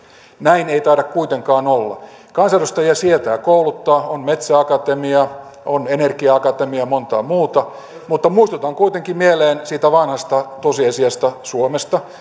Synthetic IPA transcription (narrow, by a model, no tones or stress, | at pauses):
næineit̪ɑːdɑkkuit̪eŋkɑːnolːɑ̰ | kɑnsɑrost̪ɑjɑsiet̪æːkoulut̪ːɑːonmet̪sæɑkɑt̪emiɑ | onenerkiɑɑkɑt̪emiɑmont̪ɑ̰muːt̪ɑ | mut̪ːɑmuist̪ut̪ɑŋkuit̪eŋkimmieleːnsiːt̪æʋɑnhɑst̪ɑt̪osiɑsiɑst̪ɑsuomest̪ɑ